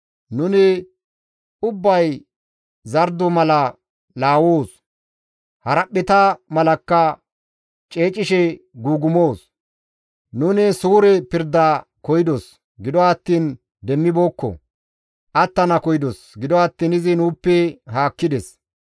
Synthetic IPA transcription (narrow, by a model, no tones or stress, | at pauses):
nʊnɪ | ʊbːɐj | zɐɾd̪ɔmɐlɐ | laːwoːs | hɐɾɐɓːɪt̪ɐmɐlɐkːɐ | t͡ʃʼe̞ːt͡ʃʼːɪʃɛ | ɡuːɡʊmoːs | nʊnɪsuːɾɛpɪɾd̪ːaːkɔjɪd̪os | ɡɪd̪ɔɐt̪ːiːn | d̪ɛmːɪboːkːɔ̰ | ʔɐt̪ːɐnɐkɔjɪd̪ɔsɡɪd̪ɔɐt̪ːiːnɪzɪnuːpːɛɦaːkːɪd̪ɛs